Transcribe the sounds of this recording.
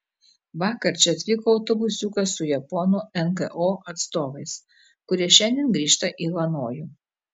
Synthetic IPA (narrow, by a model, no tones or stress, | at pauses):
ʋɑːkɐɾt͡ʃʲɛɐt̪ʲʋʲikoːɐʊt̪obʊsʲuːkɐsʊjɛpɔnuɛnɡɛʔoːʔɐt̪st̪oːʋɐɪs | kʊɾʲiɛʃʲɛnʲd̪ʲiɛnɡɾʲiːʃt̪ɐʔilˠɐnoːjuː